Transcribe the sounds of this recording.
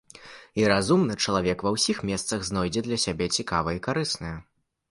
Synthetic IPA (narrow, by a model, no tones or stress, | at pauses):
iɾazumnɨt͡ʂɐlˠavʲɛkvɐwsʲixmʲɛst̪sɐɣznɔjd͡zʲɛd̪lʲɐsʲabʲɛt͡sʲikavɐikaɾɨsnɐjɐ